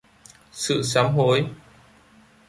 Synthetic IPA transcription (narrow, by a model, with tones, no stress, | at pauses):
sɨ̰˧˨saː˨˦mɦo˨˦j